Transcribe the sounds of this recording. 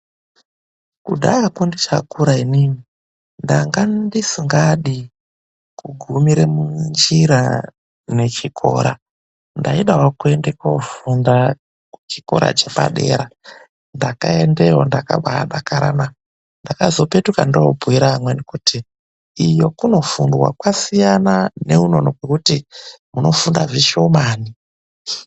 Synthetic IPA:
kudʱaakwondit͡ʃakuɾainini | ndaŋɡandisiŋɡaɗi | kuɡʱumiɾemund͡ʒiɾa | ne̞t͡ʃikʰo̰ɾa | ndaiɗaɦokue̞ndekofunda | t͡ʃikoɾa̰t͡ʃe̞pa̰ɗe̞̰ːɾa | ndakaendeɦondaka̰ɓaɗakaɾa̰na | ndakazo̞pe̞tukandoobʱuiɾamwenikutʰiː | jo̞kuno̞fundwa̰kwasijanane̞uno̞nokwekutimuno̞fundaviʃo̞maːni

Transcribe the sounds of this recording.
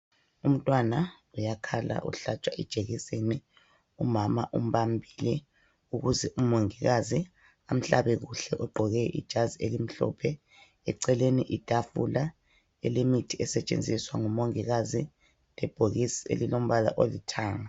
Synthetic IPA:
um̩tʼwana | ujakʰala̰ʔṵɬat͡ʃʼwaʔɛd̥ʒ̥ʱeɣiseni | umama̰ʔum̩βambʱilɛ | uɣuzɛʔumoŋiɣazi | am̩ɬa̰βɛɣuɬɛʔuɡ͡ǃʱɔɣɛʔḭd̥ʒ̥ʱazielim̩ɬɔ̰pʰɛ | ɛǀɛlenḭʔid̥ʱafṵla | ɛlemitʰiɛsɛt͡ʃʼḛnd͡zʱiswaŋumoŋiɣazi | lɛb̥ʱoɣisḛlilom̩βala̰ʔolitʰaːŋa

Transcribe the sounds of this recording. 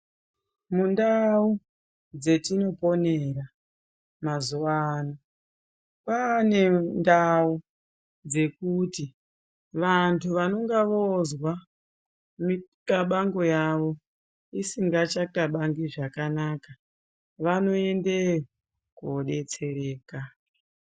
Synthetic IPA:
mundau | d͡ze̞tino̞po̞ne̞ɾa | mazuwano | paːne̞ndau | d͡ze̞kuti | ʋantʰuʋano̞ŋɡaʋozwa | mikaɓaŋɡo̞jaʋo̞ | isiŋɡat͡ʃakaɓaŋɡiʐakanaka | ʋano̞e̞nde | koɗe̞t͡se̞ɾeːka

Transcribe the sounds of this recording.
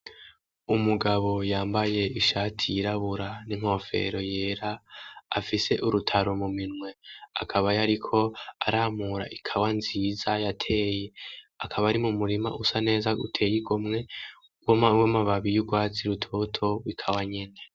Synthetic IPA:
umuɡaβo̞jaːmbaje̞iʃaːtʰijiɾaβuɾaniŋ̥ho̞fe̞̰ɾo̞je̞ːɾa̰ː | fise̞ʔuɾutʰaɾomuminŋwe̞a̰kʰaβajaɾikʰo̞a̰ɾaːmuɾa̰ʔikʰawanziːzajatʰe̞ːjeakʰaβaɾimumuɾima̰ʔusane̞ːzaṵtʰe̞jiɡomŋe̞ | wwemaβaβijuɡwaːt͡siɾutʰotʰo̞wikʰawaɲe̞ne̞

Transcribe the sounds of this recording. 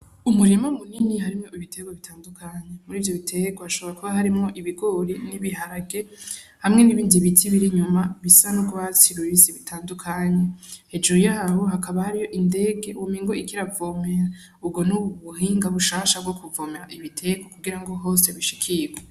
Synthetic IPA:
umuɾimamuninihaɾimŋo̞iβitʰe̞ɡwaβitʰaːndukʰaɲemuɾiːvjo̞βitʰe̞ɡwahaʃoβoɾakuβaɦaɾimŋo̞ʔiβiɡoɾiniβiɦaɾaɡe̞hamŋe̞niβiːndiβitʰiβiɾiɲumaβisanuɡwaːt͡siɾujiziβitʰaːndukʰaɲehed͡ʒojaːho̞ɦakʰaβahaɾijo̞ʔinde̞ːɡe̞ʔuwomiːŋɡoikiɾavomeɾa | ubɡo̞nuβuhiːŋɡaβuʃaːʃab̚ɡokuvoːmeɾaʔiβitʰe̞ɡwakuɡiɾaŋɡo̞ɦo̞seβiʃi̥kʰiɡwe

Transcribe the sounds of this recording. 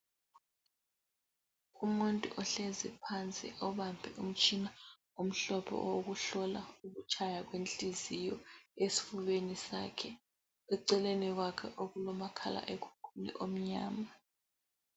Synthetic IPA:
umuntʼṵʔɔɬɛzɛpʰant͡sʼḭʔɔβambʱɛ̰ʔum̩t͡ʃʼina | um̩ɬɔpʰɔ̰woɣuɬɔlauɣut͡ʃʰajaɣwent͡ɬʼizijɔesi̥fuβenisa̰kʰɛ | ɛǀɛlenɛɣwakʰɛʔoɣulɔmakʰala̰ʔekʰu̥kʰulḭʔom̩ɲa̰ːma

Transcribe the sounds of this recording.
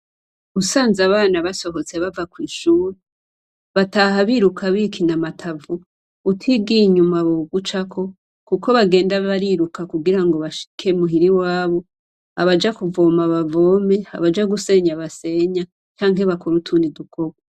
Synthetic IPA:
usaːnzaβaːnaβaso̞ɦo̞t͡seβavakwiːʃuːɾe | βataɦaβiɾukʰaβikʰinamatʰavuː | tʰiɡiɲumaβoɡut͡ʃakʰo̞ | kukʰo̞βaɡe̞ːndaβaɾiɾukakuɡiɾaŋɡo̞βaʃi̥kʰe̞muɦiɾiwaːβo̞ | aβad͡ʒakuvo̞ːmaβavo̞ːme̞a̰βad͡ʒaɡuse̞ɲaβase̞ɲa | t͡ʃaːŋɦeβakoɾutʰunidukʰo̞ɡwa

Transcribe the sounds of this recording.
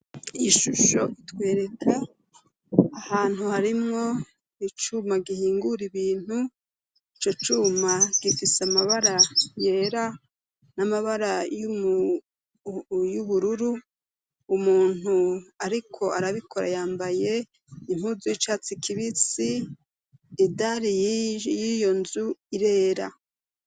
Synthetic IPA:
iʃuʃo̞̰ʔitwe̞ːɾe̞kʰa | haːn̥huhaɾimŋo̞ | it͡ʃumaɡihiːŋɡuɾiβiːn̥hu | it͡ʃo̞t͡ʃumaɡifisamaβaɾaje̞ːɾa | namaβaɾajumu | juβuɾuɾuː | muːn̥uaɾikʰo̞aɾaβikʰo̞ɾa̰jaːmbaje̞ | im̥huzujit͡ʃat͡sikʰiβit͡siː | daɾijijo̞nzuiɾe̞ːɾa̰

